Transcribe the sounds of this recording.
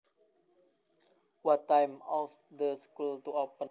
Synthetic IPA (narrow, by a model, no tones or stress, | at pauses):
wɔtːãjmɔsdəskultuɔpə̃